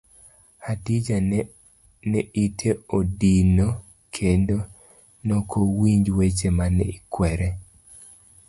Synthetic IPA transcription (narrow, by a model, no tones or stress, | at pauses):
adid͡ʒa | nɛʔitʰeodino | kʰendo | nokʰowiɲd͡ʒwet͡ʃemanɛikwɛɾɛ